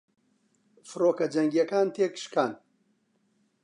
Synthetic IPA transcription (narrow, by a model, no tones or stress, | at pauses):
fɨɾoːkɐd͡ʒɐŋɡijɐkaːnt̪ʰeːkʃkʰaːn